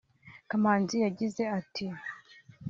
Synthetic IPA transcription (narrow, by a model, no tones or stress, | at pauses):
kamaːnzijaɟize̞atʰi